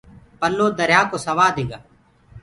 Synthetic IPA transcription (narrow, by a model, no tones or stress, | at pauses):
pəlːoːd̪əɾjaːkoːsəʋaːd̪ɪŋɡaː